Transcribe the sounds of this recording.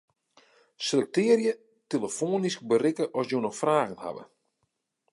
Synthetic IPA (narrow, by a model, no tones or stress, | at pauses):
sələk̚tɪəɾjə | teləfoːnisk̚bəɾɪkəʔɔsjoːnɔxfraːɣənha̰bə̰